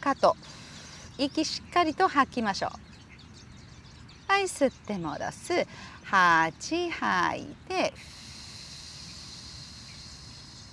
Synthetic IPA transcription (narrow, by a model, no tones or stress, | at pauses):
kat̪o | ikʲiɕi̥kːaɾʲit̪o̞hakʲːimaɕo̞̰ː | aisɨt̪ːe̞mo̰ɾa̰sɨhat͡ɕihaḭt̪e